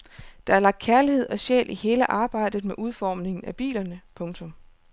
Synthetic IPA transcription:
d̥ɑ̈æɐlɑ̈ɡ̥̚d̥kʰæɐlihe̝ð̞̰ˠɒ̽ɕḛːlʔihe̝ːləʔɑ̈ːb̥ɑ̈ɪ̰d̥ð̩ˠmeʔuð̞ˠfɒ̰ːmne̝ŋn̩æb̥ḭːlɐnəpʰɔ̽ŋt͡sʰɔ̽m

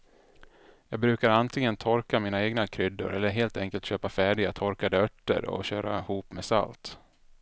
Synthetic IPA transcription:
jɑːɡbɾʉ̟ːkaɾant̪ʰlɪŋənt̪ʰɔɾkamiːnaeːɡnakʰɾʏd̪ːʊ̰ɾɛlːəɾɦeːlt̪ɛŋkəlt̪ɕøːpafæːɖɪɡat̪ʰɔɾkad̪əœʈːə̰ɾɔ̰ɕøːɾa̰ɪhuːpmɛsa̰lt̪

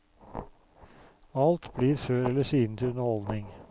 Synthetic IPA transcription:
ɑlt̪bliːɾføːɾɛləsiːd̪n̩t̪ʰɪlʉnəhɔld̪nɪŋ

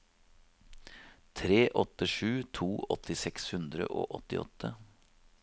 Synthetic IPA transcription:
t̪ʰɾeːʔɔt̪əʂʉːt̪ʰuːʔɔt̪ɪsɛkshʉnd̪ɾə̰ʔo̰ːʔɔt̪ːɪɔ̰t̪ʰːə

